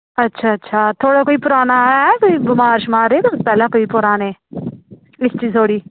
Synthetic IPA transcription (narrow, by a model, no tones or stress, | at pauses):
ɐtːʃʰaːɐtːʃʰaːt̪ʰoːɽakoːipʊɾaːnaɛ̃koːibɪmaːɾʃmaːɾeːt̪ospɛːlãkoːipʊɾaːneː | ɪst͡ʃiːzt̪ʰoːɽiː